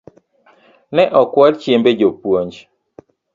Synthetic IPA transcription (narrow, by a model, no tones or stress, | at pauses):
nɛʔɔkwɔlt͡ʃjembed͡ʒopwoɲd͡ʒ